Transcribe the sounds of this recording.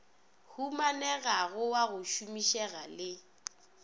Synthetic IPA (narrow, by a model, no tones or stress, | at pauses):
humanɛɣaɣʊwaɣʊʃumiʃɛɣalɪ